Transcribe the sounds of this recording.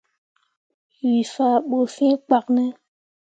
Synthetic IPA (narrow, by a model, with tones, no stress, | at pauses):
ɥi˨fa˨ɓo˨fɛ̃˦k͡pa˨knɛ˦